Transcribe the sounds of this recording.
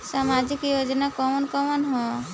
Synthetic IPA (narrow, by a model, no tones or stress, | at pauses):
samad͡ʒikjod͡ʒnakɔmɔnkɔmɔnɦɔ̃